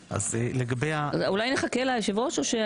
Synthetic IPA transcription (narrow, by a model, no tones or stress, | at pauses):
ʔa̰zeleɡabejaulajneχakelajeʃivo̞toʃe